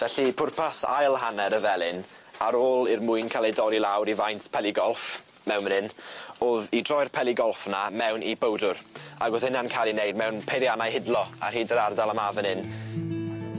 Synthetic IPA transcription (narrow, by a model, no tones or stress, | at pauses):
v̥ɛɬipʰʊrpʰasa̰jlˠɦanɛɾəvɛlˠɪn | aɾoːlˠɪrmʊɨnkʰalˠejdɔɾilˠawɾivajntpʰɛlˠɪɡɔlˠf | mɛwnmənɨnoðidrɔjrpʰɛlˠiɡɔlˠfnamɛwnʔḭbowdʊɾaɡʊðhɪnankʰalˠinejdmɛwnpʰejɾjanajɦɪdlˠɔa̰rhiːdəɾardalˠamavənɪn